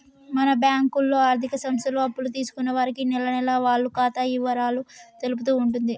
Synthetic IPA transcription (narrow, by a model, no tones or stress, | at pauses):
mɐnɐbjaːŋkulːo̞ːaːɾt̪ʰikɐsɐmst̪ɐloːɐpːulut̪iːsu̥kunːɐʋaːɾikinɛlɐnɛlaʋaːɭːukaːt̪ajiʋɐɾaːlut̪e̞lup̬ut̪̬uːɳʈund̪i